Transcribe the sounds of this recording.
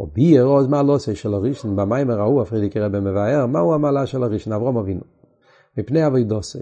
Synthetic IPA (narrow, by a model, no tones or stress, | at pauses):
ɔ̰biɛʁɔzmaːlˠɔseɪʃɛlaʁiʃn̩bamajmaʁauafʁedɪkəʁɛbɛməvaɛʁma̰uamalˠaʃɛlaʁiʃn̩avʁɔmavinu | mipneɪavɔɪdɔsɔ